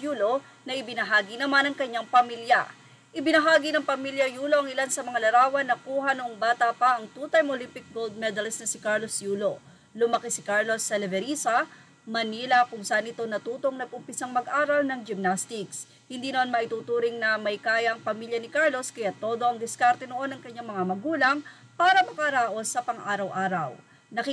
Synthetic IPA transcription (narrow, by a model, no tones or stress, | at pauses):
juːlo̞ | nɐʔɪbɪnɐɦaːɡinɐmanɐŋkɐɲːaŋpɐmiljɐ̰ | ʔɪbɪnɐɦaːɡinɐŋpɐmiljɐjuːloʔɐŋɪlansɐmɐŋalɐɾaːwɐnɐkuːɦɐnʊʔoŋbaːt̪ɐpɐʔɐŋt̪uːt̪ɐjmʔolimpɪk̚ɡold̪̚mɛd̪ɐlɪst̪nɐsɪkaɹlosjuːlo̞ | lʊmɐkisɪkaɹlo̞sːɐlɛvɛɾiːsɐ | mɐniːlɐkʊŋsɐʔanʔɪt̪o̞nɐt̪uːt̪o̞ŋnɐɡ̚ʔʊmpɪsɐŋmɐɡʔaːɾɐlnɐŋd͡ʒɪmnast̪ɪks | hɪnd̪iːnɐmanmɐʔɪt̪uːt̪uːɾɪŋnɐmɐjkaːjɐŋpɐmiːljɐnɪkaɹlo̞skɐjaːt̪o̞ːd̪o̞ʔɐŋd̪ɪskaɾt̪ɛnoʔo̞nɐŋkɐɲːaŋmɐŋamɐɡuːlɐŋ | paːɾɐmɐkɐɾaːʔo̞sɐpɐŋʔaːɾɐwʔaːɾɐ̰w | nɐki